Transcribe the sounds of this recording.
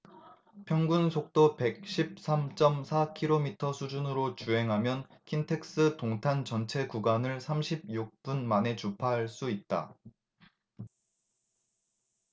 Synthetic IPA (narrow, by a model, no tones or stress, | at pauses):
pʰjʌŋɡunsʰok̚t͈ope̞k̚ɕ͈ʰip̚s͈ʰamt͡ɕ͈ʌmsʰakʰiɾomitʰʌsʰud͡ʑunɯɾot͡ɕuɦe̞ŋɦamjʌnkʰintʰe̞k̚s͈ɯtoŋtʰant͡ɕʌnt͡ɕʰe̞kuɡwanɯɭsʰamɕʰib̚juk̚p͈unmane̞t͡ɕupʰaɦaɭs͈uit̚t͈a̰